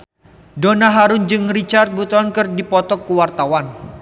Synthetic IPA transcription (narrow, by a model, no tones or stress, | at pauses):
donaɦaɾʊnd͡ʒɨŋrit͡ʃart̪̚but̪ɔnkɨrdipɔt̪ɔkːuwart̪awan